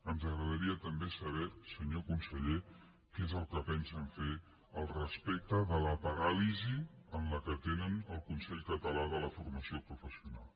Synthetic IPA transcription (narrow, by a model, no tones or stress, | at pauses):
ənzəɣɾəðəɾiət̪əmbesəβɛsəɲokunsəʎe | kezəlˠkəpɛnsəɱfe | əlˠrəspek̚t̪əðələpəɾaliziənləkət̪enənəlˠkunsɛʎkət̪əlaðələfuɾməsiopɾufəsiuna̰lˠ